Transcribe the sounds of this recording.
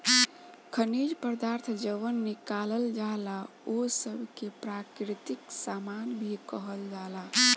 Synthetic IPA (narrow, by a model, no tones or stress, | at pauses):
kʰəniɾpəɾd̪aɾt̪ʰd͡ʒəʋənːikaləld͡ʒala | osəbʱkepɾakɾit̪iksamanbʱikəɦəld͡ʒala